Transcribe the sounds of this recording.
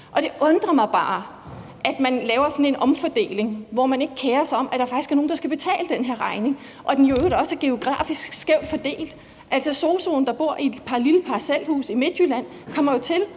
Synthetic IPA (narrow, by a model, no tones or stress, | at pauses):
ʔɒ̽ɾ̥e̝ʔɔ̽nd̥ʁɐmɑ̈ɪb̥ɑ̈ː | ʔæd̥mænlɛːʊɐsɒ̽ne̝nʔɒ̽mfɒd̥e̝̰ːle̝ŋʋɒmæne̝ɡ̥əkʰeːɐsaɪɒ̽m̰ʔæd̥ɑ̈ɐfɑɡ̥isɡ̥æɐno̝ːnd̥ɑ̈sɡ̥æb̥e̝t͡sʰɛ̰ːləd̥enɦe̝ɐ̰ʁɑ̈ɪne̝ŋ | ʔɒ̽d̥enjod̥ɒ̽sæɐɡ̥e̝o̝ɡ̥ʁɑ̰̈ːfisɡ̥sɡ̥eʊ̰d̥fɒ̽d̥e̝̰ːld̥ | ʔælsɒ̽so̝ːso̝̰ːn̩d̥ɑ̈b̥o̝ɐ̰i̥pʰɑ̈liləpʰɑ̈sel̰hṵːsime̝d̥jylæn̰ | kʰɒ̽m̰ɐjo̝t͡sʰe̝l